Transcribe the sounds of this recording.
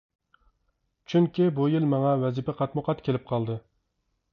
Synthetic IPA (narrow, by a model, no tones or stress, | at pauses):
t͡ʃʰyŋkʲibujilˠmɑŋɑwɛzipɛqʰɑt̪mʊqʰɑt̪kʲʰelɪp̚qʰɑlˠd̪ɨ